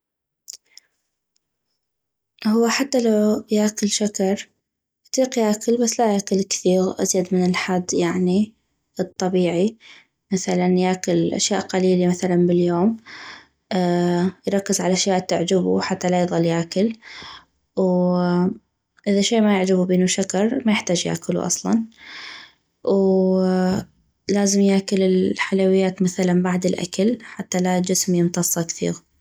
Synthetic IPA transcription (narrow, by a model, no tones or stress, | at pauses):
hʊwːaħat̪ːalawjaːkɪlʃakɑɾˤ | t̪ˤiːqjaːkɪlbasːlajaːkɪlkθiːɣʔa̰zjad̪mɪnɪlħad̪ːjaʕni | ɨt̪ˤːɑbiːʕi | maθalanjaːkɪlʔa̰ʃjaːʔqaliːlamaθalanbɪljoːm | jɾˤɑkːɪzʕalaʔaʃjaːʔt̪ɪʕd͡ʒɪbṵħat̪ːalajðˤɑlːjakɪl | w | ʔɪðaʃieːʔmajɪʕd͡ʒabubiːnuʃakɑɾˤmajɪħt̪aːd͡ʒja̰ːkɪlṵʔɑ̰sˤlɑ̰n | w | laːzɪmjaːkʊlɪlħalawɪjːaːt̪maθalanbaʕd̪ɪlʔa̰kalħat̪ːalad͡ʒɪsmjɪnt̪ɑsˤːɑkθḭːɣ